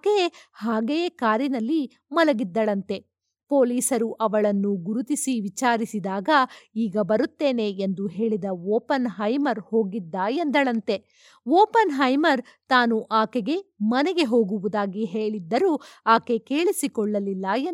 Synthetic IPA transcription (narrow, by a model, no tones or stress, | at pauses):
kehaːɡejkaːɾjinɐlːi | mɐlɐɡid̪ːɐɭɐnt̪e̞ | po̞ːliːsɐɾuʔɐʋɐɭɐnːuɡuɾut̪isiʋit͡ʃaːɾisid̪aːɡɐiːɡɐbɐɾut̪ːe̞ːne̞end̪uɦe̞ːɭid̪ɐoːpɐnɦɐjmɐɾho̞ːɡid̪ːaːjend̪ɐɭɐnt̪e̞ | ʋoːpɐnɦɐjmɐɾ | t̪aːnuʔaːkeɡe̞mɐnɛɡe̞ɦo̞ːɡuʋud̪aːɡiɦe̞ːɭid̪ːɐɾuːaːke̞ke̞ːɭisikɔɭːɐlilːɐen